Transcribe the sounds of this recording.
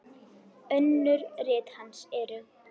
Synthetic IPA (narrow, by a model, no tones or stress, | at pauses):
œnːʏɾrɪːt̪hansɛɾʏ